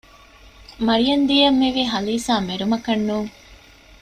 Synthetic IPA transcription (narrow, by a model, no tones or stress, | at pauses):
mɐɾijɐnd̪ijɐmːiʋiɦɐliːsaːmeɾumɐkɐnːuːŋ